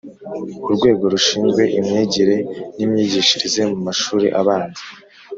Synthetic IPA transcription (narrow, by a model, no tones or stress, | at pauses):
uɾɡwe̞ːɡo̞ɾuʃiːnzɡwe̞ʔimɲeːɟiɾe̞nimɲiːɟiʃiɾize̞mumaʃuːɾḭʔaβaːndi̥